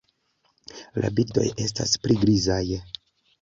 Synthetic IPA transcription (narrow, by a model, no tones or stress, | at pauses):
lʔa̰biɾdo̞̰je̞s̬taspɾiɡɾizaj